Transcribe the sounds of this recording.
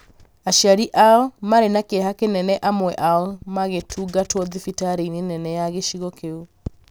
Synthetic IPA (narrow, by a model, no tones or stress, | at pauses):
aʃaɾiʔalmaɾenakehakenɛnɛʔamwɛʔalmaɣetʰuɡatwɔðifitaɾeinenɛnɛjaɣeʃiɣɔkeu